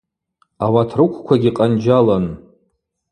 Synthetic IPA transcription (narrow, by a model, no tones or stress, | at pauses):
awatʰrɨkʷʰkʷʰaɡʲiqʼand͡ʒalan